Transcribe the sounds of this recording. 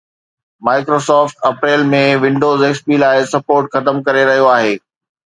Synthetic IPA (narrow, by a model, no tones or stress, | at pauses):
maːɪkɾoːsɔːfʈɐpɾeːlmẽʋɪ̃ɳɖoːzeːkspilaːɪsɐpoːɾʈxɐt̪əmkɐɾeɾɐɦijoaːɦeː